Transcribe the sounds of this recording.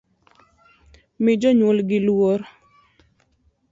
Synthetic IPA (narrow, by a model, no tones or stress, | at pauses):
mɪd͡ʒɔɲolɡɪlwoɾ